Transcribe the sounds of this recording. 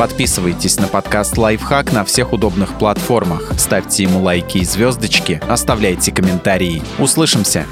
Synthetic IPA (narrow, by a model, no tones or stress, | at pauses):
pɐt̪pʲisɨvəjtʲɪsʲnəpɐt̪kast̪lˠajfxaknɐfsʲe̞xʊd̪o̞bnɨxplˠɐt̪fo̞rməxst̪afʲtʲɪjɪmulˠajkʲɪːzʲvʲo̞zd̪ət͡ɕkʲɪɐst̪ɐvlʲæjtʲɪkəmʲɪnt̪aɾʲɪː | ʊslˠɨʂɨmsʲə̰